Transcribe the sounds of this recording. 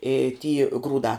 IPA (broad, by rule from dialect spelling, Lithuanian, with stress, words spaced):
ɪ tʲiː ˈɡruːdɑː